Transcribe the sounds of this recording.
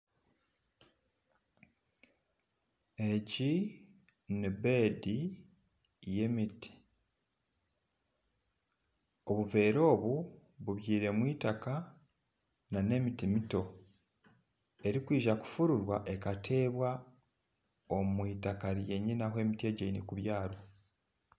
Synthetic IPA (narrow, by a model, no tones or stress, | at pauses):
e̞ci | nibe̞di | je̞miti̥ | o̞βuve̞ːɾo̞ːβuβuβjiːɾe̞mwiːtaka | nane̞mitimito̞ | e̞ɾikwiːʒaku̥fuɾuɾwaʔe̞katʰe̞ːβwa | omwiːtakaɾje̞ɲinahwe̞ːmitje̞ːɟeinekuβjaːɾo̞